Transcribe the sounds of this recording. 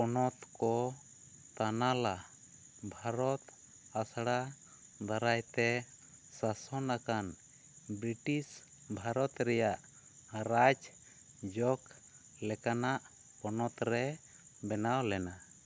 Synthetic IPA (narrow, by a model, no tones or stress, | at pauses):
pɔnɔt̪kɔ | t̪anala | bʱaɾɔt̪ | asɽa | d̪aɾajt̪ɛ | sasɔnakan | bɾiʈis | bʱaɾɔt̪ɾɛjaʔ | ɾad͡ʒ | d͡ʒɔk | lɛkanaʔ | pɔnɔt̪ɾɛ | bɛnawlɛna